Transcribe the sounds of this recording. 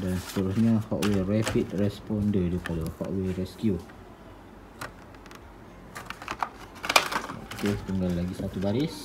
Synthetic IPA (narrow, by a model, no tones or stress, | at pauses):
dansə̥t̪əɾusɲãhɔʔwerɛpit̪̚rɛspɔndədipadahɔ̰ʔweɾɛskju | ɔ̰ʔk̪ust̪əŋɡalːaɡisat̪ubaɾɪs